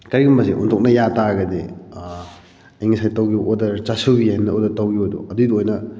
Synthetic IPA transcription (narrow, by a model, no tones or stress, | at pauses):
kɐɾiɡumbɐsiʔṵntʰok̚nɐjataɡɐdi | ɐjŋisʰajtɐwɡiʔodɐɾt͡ʃasuwɡijanːɐodɐɾtɐwɡiojdṵɐduidiojnɐ